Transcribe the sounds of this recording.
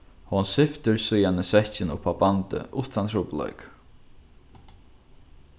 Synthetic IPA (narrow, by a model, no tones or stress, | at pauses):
hɔnsɪft̪ʏɹsujanəsʋɛht͡ʃɪnʊ̰pabant̪ɪ̰ʔʊht̪ʰant̪ʰɾuːplœ̰ʏk